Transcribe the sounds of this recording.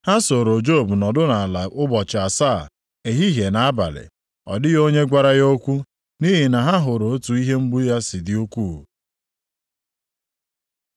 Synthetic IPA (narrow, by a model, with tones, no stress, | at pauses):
ha˦so˨ɾo˨d͡ʒo˦˨bu˨nɔ˨dʊ˦na˨la˨ʔʊ˦bɔ˨t͡ʃa˨saː˦˨ | e˨ɦi˦ɦe˨na˨a˦ba̰˨lɪ̰˨ | ɔ̰˨dɪ˦jo˦ɲe˦ɡʷa˦ɾa˦jo˦kʷu˦ | ni˦ɦɪ˨na˨ɦa˦ɦʊ˨ɾo˨o˦tu˨i˦ɦe˦m̩˦bʊ˦ja˦sɪ˨dɪ˦o˦kʷu˦˨